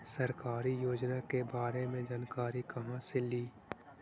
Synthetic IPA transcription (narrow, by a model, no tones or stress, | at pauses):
sɐɾkaːɾijoːd͡ʒnakebaːɾemẽd͡ʒaːnkaːɾikɐɦãseliː